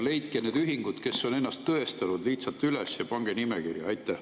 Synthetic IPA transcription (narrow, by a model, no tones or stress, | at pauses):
le̞jt̪̚keneːd̪yɦiŋɡ̥ud̪̥ke̞sːo̞ne̞nːɑst̪ːɤe̞st̪ɑnud̪liht̪sɑlt̪ːˑylesjɑpɑŋɡ̥enimekirjɑɑjt̪ːˑæh